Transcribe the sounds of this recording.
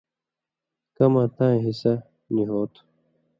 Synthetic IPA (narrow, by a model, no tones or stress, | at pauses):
kɐmãːt̪ãːẽɦisɐ | niɦoːt̪ʰ